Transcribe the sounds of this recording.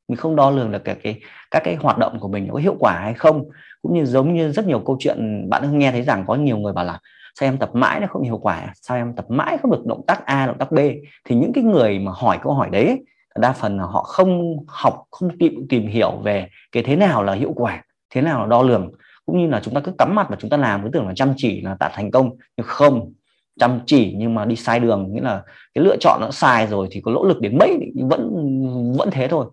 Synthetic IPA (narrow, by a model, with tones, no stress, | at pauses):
mi˨˩ŋ̟xə˧wŋ͡mɗɔ˧lɨ˨˩əŋɗɨ˨˩kːaː˨˩kaː˨˦jkaː˦˥kːaː˨˦jhwaː˨˩t̚ɗə̰˧˨wŋ͡mku˧˩əmï˨˩ŋ̟n˨˦kɔ˨˦ɦḭ˧˨əwkwaː˧˩ha˧jxə˧wŋ͡mkʊ̰˧˥ŋ͡mɲɨ˧zə˨˦wŋ͡mɲɨ˧zə˦˥t̚ɲi˨˩əwkə˧wt͡ɕwḭ˧˨ənɓa̰ː˧˨nə˧ŋ͡mŋɛ˧t̪ʰə˨˦jza˨˩ŋkɔ˨˦ɲi˨˩əwŋɨ˨˩əjɓaː˨˩wlaː˨˩ | saː˧wʔɛ˧mt̪ə˨˩p̚ma̰ː˧˥jn˨˦xə˧ŋ͡mhi˧˨wkwaː˧˩ʔa̰˨˧˩saː˧wʔɛ˧mt̪ə˨˩p̚ma̰ː˧˥jxə˧wŋ͡mɗək̚ɗə̰˧˨wŋ͡mt̪aː˦˥k̚ʔaː˧ɗ̰ŋ͡mt̪aː˦˥ɓe˧t̪ʰi˨˩ɲɨ̰˧˥ŋkaː˨˦jŋɨ˨˩əjmaː˨˩hɔ˧˩jkə˧wɦɔ˧˩jɗə˨˦j | la˨˩ɗaː˧fə˨˩nlaː˨˩ɦɔ̰˧˨xə˧wŋ͡mha˨˩wk͡p̚xə˧wŋ͡mt̪i˨t̪i˨˩mɦi˧˩əwve˨˩ | kaː˨˦jt̪ʰe˨˦naː˨˩wlaː˨˩hḭ˧˨əwkwaː˧˩ | t̪ʰe˨˦naː˨˩wlaː˨˩ɗɔ˧lɨ˨˩əŋ | kʊ̰˧˥ŋ͡mɲɨ˧laː˨˩t͡ɕʊ˨˦ŋ͡mt̪aː˧kɨ˨˦˥ka˨˦mːa˨˩t̚maː˨˩t͡ɕʊ˨˦ŋ͡mt̪aː˧laː˨˩məː˨˦t̪ɨ˧˩ə˨ŋlaː˨˩t͡ɕa˧mt͡ɕi˧˩laː˨˩t̪a̰ː˧˨t̪ʰŋ̟kə˧wŋ͡mɲɨ˧xə˧wŋ͡m | t͡ɕa˧mt͡ɕi˧˩ɲɨ˧ŋmaː˨˩ɗi˧saː˧jɗɨ˨˩əŋŋḭ˧˥laː˨˩ | kaː˨˦jlɨ̰˧ət͡ɕɔ̰˧˨nʔːɔ̰˧˥saː˧jzo˨˩jt̪ʰi˨˩kɔ˨˦lo̰˧˥lɨ˨˩k̚ɗe˨˦nmə̰˧˥jvə̰˧˥nvə̰˧˥nt̪ʰe˨˦t̪ʰo˧j